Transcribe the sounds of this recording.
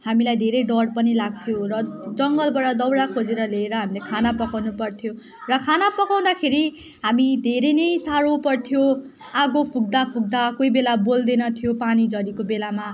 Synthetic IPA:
hamilajd̪ʱeɾejɖʌɽpʌnilaɡ̚t̪ʰjorʌd͡zʌŋɡʌlbʌɽʌd̪ʌwɽakʰod͡zeɾʌleːɾʌɦamilekʰanapʌkawnupʌrt̪ʰjo | rʌkʰanapʌkaw̃d̪akʰeɾi | ɦamid̪ʱeɾejnʌjsaɾopʌrt̪ʰijo | aɡopʰuɡ̚d̪apʰuɡ̚d̪akoibelabold̪enʌt̪ʰijopanid͡zʌɾikobelama

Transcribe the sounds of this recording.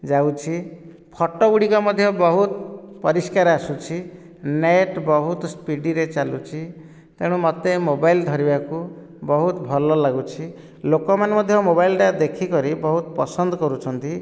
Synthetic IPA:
d͡ʒawt͡ʃʰi | pʰɔʈɔuɽikɔmɔd̪ʱjɔbɔɦut̪pɔɾiskaɾasut͡ʃʰi | neʈbɔɦut̪ɔspiɖiɾet͡ʃalut͡ʃʰi | t̪eɽ̃ũmɔt̪emobaild̪ʱɔɾibaku | bɔɦut̪bʱɔlɔlaɡut͡ʃʰi | lokɔmanmɔd̪ʱjɔmobailʈad̪ekʰikɔɾibɔɦut̪ɔpɔsɔnd̪ɔkɔɾut͡ʃʰɔnt̪i

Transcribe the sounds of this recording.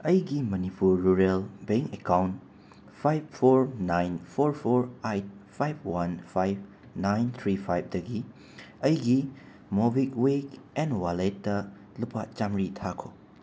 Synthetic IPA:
ɐjɡimɐnipuɾːuɾelbeŋkekawn | pʰajppʰoɾnajnpʰoɾpʰoɾajt̚pʰajb̚ʰwanpʰajb̚ | najnt̪ʰɾipʰajb̚dɐɡi | ɐjɡi | mobikwekɛnwalet̚dɐ | lupʰat͡ʃamɾitʰakʰo

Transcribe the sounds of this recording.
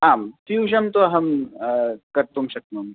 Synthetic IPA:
aːmfjuːɕɐmt̪oɐɦɐm | kɐɾt̪umɕɐk̪̚mɐm

